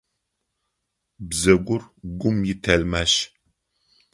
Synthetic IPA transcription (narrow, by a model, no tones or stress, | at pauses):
bzɐɡʷʊrɡʷʊmjɪtʰɐlmaʃ